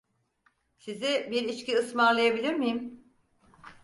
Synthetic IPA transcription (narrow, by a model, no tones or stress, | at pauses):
sizɪbiɾit͡ʃciɯsmaɾlˠajabilʲiɾmijim